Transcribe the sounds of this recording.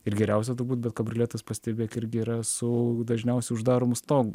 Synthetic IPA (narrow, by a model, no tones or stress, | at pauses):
ɪrɡʲɛɾʲɛʊs̬ʲɛt̪ʊɾbuːt̪bʲɛt̪kɐbʲɾʲɪlʲeːt̪ɐspɐsʲt̪ʲɛbʲeːkɪɾʲɡʲɪiɾɐsʊd̪ɐʒʲnʲɛʊsʲɛɪʊʒd̪ɑːɾoːmʊst̪oːɡ